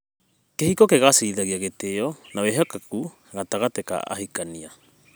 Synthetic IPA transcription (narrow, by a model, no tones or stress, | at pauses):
kehikɔkeɣasiiðaɣiaɣeteɔnaweɦɔkaku | ɣataɣateka̰ʔa̰hikania